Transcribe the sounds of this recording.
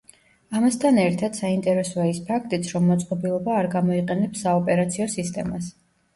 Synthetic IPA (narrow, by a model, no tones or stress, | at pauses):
amast̪ʰanɛɾt̪ʰad̪̥saint̪ʼɛɾɛsɔaispʰakʰt̪ʼit̪sʰɾɔmːɔt̪sʼqʼɔbilˠɔbaːɾɡamɔiqʼɛnɛpsaɔpʼɛɾat̪sʰiɔsist̪ʼɛmas